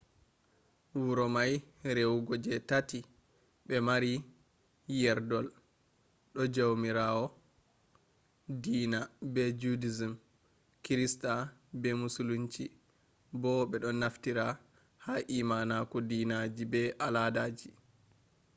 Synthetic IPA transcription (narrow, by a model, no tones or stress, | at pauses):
wuɾɔmajɾewɡɔd͡ʒɛtati | ɓɛmaɾi | jɛɾdɔl | ɗɔd͡ʒawmiɾawɔ | diːnabɛd͡ʒudizim | kiɾistabɛmusuluɲt͡ʃi | bɔɓɛɗɔnːaftiɾa | haʔimanakɔdinad͡ʒibɛʔaladaːd͡ʒi